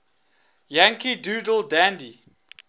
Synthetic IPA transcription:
jãŋkiduːdəldãndi

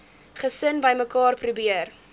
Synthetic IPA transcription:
χəsənbəjməkɑːrprubiər

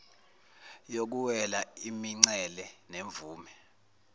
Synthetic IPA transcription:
jok̬uwɛlaimiŋ͡ǀɛlɛneɱb̪vuːmɛ

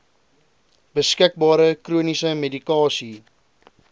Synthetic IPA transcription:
bəskək̚bɑːɾəkruənisəmedikɑːsi

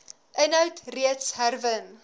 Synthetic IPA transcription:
ʔənɦœwtriətsɦærvən

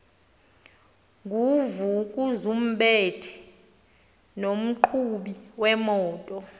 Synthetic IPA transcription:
ŋɡʱuvuk̬ʼuzum̩ɓɛtʰɛ̥ | nom̩ǃʰuɓiwɛmɔːtʼɔ

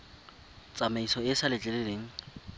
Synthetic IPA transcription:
t͡sʼamaisɔɪsalɪt͡ɬʼɛleleːŋ̩

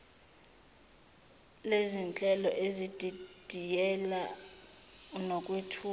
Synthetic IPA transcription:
lezint͡ɬʼɛlɔʔezid̥ʱid̥ʱijɛla | nokʼwitʰuː

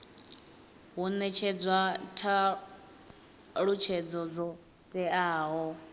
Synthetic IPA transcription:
ɦunɛt͡ʃʰɛd͡zwatʰa | ɺut͡ʃʰɛd͡zɔd͡zɔ | tʼɛaːɦɔ

